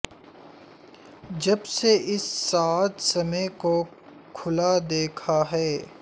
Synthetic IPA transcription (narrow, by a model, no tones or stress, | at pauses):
d͡ʒɐbseʔɪsːaːt̪sɐmeko | kʰʊlad̪eːkʰaɦɛː